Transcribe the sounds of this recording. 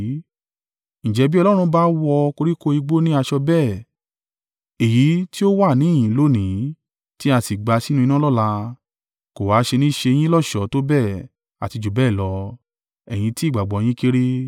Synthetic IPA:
ñ̩˨d͡ʒɛ˨˧˦bi˦ɔ˧lɔ˦ɾ̃ũ˧ba˦wɔ˧ko˧ɾi˦ko˦i˧ɡ͡bo˦nĩ˦a˧ʃɔ˧bɛː˦˨ | e˨ji˨˦ti˦o˦wa˦˨nĩ˨˦˨ĩ˨˦lo˦˨nĩ˨˦ | ti˦a˧si˨ɡ͡ba˧si˦nũ˦ĩ˧nã˦lɔ˦˨la˧ | ko˨wa˨˦ʃe˧nĩ˦ʃe˧j̃ĩ˦lɔ˦˨ʃɔ˨˦to˦bɛː˦˨ | a̰˨ti˧d͡ʒu˨bɛː˦˨lɔ˧ | ɛ˨j̃ĩ˧ti˦˨ɡ͡ba˨ɡ͡bɔ˨˧j̃ĩ˦ke˦ɾe˦

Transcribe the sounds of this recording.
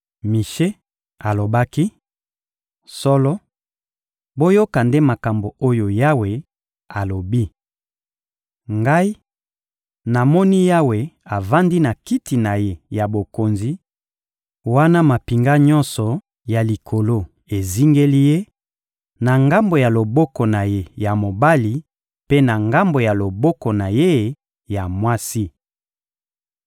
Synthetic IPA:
mi˨ʃe˦ | a˨lo˨ba˦ki˦ | sɔ˦lɔ˦ | bo˦jo˦ka˨nde˦ma˨ka˨mbo˨o˦jo˨ja˦we˨ | a˨lo˨bi˦ | ŋɡa˦i˦ | na˨mɔ˦ni˦ja˦we˨a˨va˦ndi˦na˨ki˦ti˨na˨je˦ja˨bo˨ko˨nzi˨ | wa˦na˦ma˨pi˨ŋɡa˦ɲɔ̃˦nsɔ˨ | ja˨li˨kʰo˨lo˦ | e˨zi˦ŋɡe˦li˦je˦ | na˨ŋɡa˦mbo˨ja˨lo˨bɔ˦kɔ˨na˨je˦ja˨mo˨ba˦li˨ | pe˦na˨ŋɡa˦mbo˨ja˨lo˨bɔ˦kɔ˨na˨je˦ | ja˨mwa˦si˦

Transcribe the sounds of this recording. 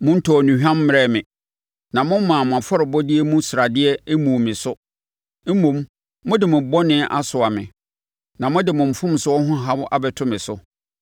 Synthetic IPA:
mʊ̃˦n̩˦tʰɔ˨nũ˨hᶣã˦mː˦ɾɛ˦˨mɪ̃˨ | nã˨mʊ̃˦m˦mãː˨mʊ̃˨a˨fɔ˦ɾɪ˨bɔ˦dɪ˦ɛ˦mũ˦sɾa˨dɪ˦ɛ˦e˦mũ˨mɪ̃˨sʊ˦ | m̩˦mũ˨mː | ʊ̃˦dɪ˨mʊ̃˨bɔ˦nɪ̃˦ʔa̰˦sʊ˨a˨mɪ̰̃˨ | nã˨mʊ̃˦dɪ˨mʊ̃˨m̩˨fʊ̃˦msʊ˦ɔ˦ɦʊ̃˦ɦa˦wʊ˦ʔa˨bɛ˨tʰʊ̃˦mɪ̃˨sʊ˦

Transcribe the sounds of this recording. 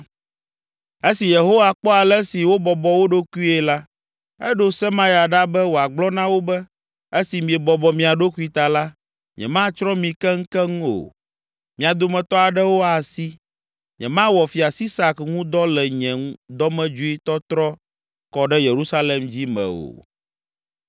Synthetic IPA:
e˦si˨je˨ɦo˦wa˨k͡pɔ˦a˨lɛ˦si˨wo˦bɔ˨bɔ˨wo˦ɖo˦ku˦i˦ɛ˨la˦ | ɛ˦ɖo˦sɛ˦mã˦jɛ˨a˨ɖa˦bɛ˦wo˨a˨ɡ͡blɔ˦nã˦wo˦bɛ˦ | e˦si˨mĩ˨ɛ˨bɔ˨bɔ˨mĩ˨a˨ɖo˦ku˦i˦t̪a˨la˦ | ɲɛ̰̃˨mã˦t͡ʃɾɔ˦mĩ˨kɛ˦ŋ̩˦kɛ˦ŋũ˦o̰˨ | mĩ˨a˨d̪o˨mɛ̃˨t̪ɔ˦a˨ɖɛ˦wo˦a˨si˦ | ɲɛ̰̃˨mã˦wɔ˨fi˨a˨si˦sa˨kŋũ˦d̪ɔ˦lɛ˨ɲɛ̃˨ŋ˦d̪ɔ˦mɛ̃˦d͡ʒu˦i˦t̪ɔ˦t̪ɾɔ˦ | kɔ˨ɖɛ˦je˨ɾu˦sa˦le˨md͡ʑi˦mɛ̰̃˨o̰˨

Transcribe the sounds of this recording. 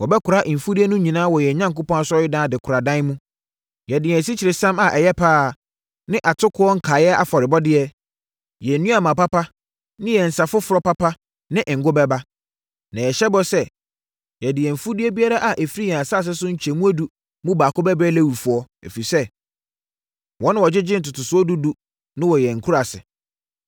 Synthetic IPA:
wɔ˨bɛ˦kʰʊ˨ɾa˦ʔm̩˨fu˦di˦ɛ˦nũ˦ɲĩ˨nã˦wɔ˨jɛ˨ɲã˦ŋ˨kʊ˦pɔ̃˦a˦sʊ˦ɔ˦jɪ˦dã˦dɪ˨kʰʊ˨ɾa˨dã˦n˦mũ˦ | jɛ˨dɪ˨ɛ̃˨s̬i˦t͡ɕʰɪ˨ɾɪ˨sã˦ma˨ʔɛ˨jɛ˦pʰaː˦˨ | nɪ̃˦ʔa˨tʰʊ˦kʰʊ˦ɔ˦ŋ̩˦kʰaː˨jɛ˦a̰˨fɔ˨ɾɪ˨bɔ˦dɪ˦ɛ˦ | jɛ˨n̩˦nũ˦a˨mã˨pa˦pa˦ | nɪ̃˦jɛ˨n̩˨sa˨fʊ˦fʊ˨ɾɔ˦pa˦pʰa˦ | nɪ̃˦ʔɪ̃˨ŋ̩˨ɡʊ˦bɛ˦ba˦ | nã˨jɛ˨ɕɛ˦bɔ˦sɛ˦ | jɛ˨dɪ˨ɛ˨m̩˨fu˦di˦ɛ˦bi˦a˦ɾa˦ʔa˨ʔɛ˨fɾi˦jɛ̃˨a˨sa˦˨s̬ɪ˦sʊ˦ɲ̩˦t͡ɕʰɛ˨mũ˦æ˦du˨ | mũ˦baː˨kʊ˦bɛ˦bɾɛː˦læ˦˨wu˨fʊ˨˦ɔ˦ɛ̰˨fi˨sɛ˦ | wɔ̃˦nʊ̃˦wɔ˨d͡ʑɪ˦d͡ʑɪ̃˦n̩˨tʊ˨tʊ˨sʊ˦ɔ˦du˦du˦ | nɪ̃˦wɔ˨jɛ˨ŋ̩˨kʰu˦ɾa˨sɪ̰˨

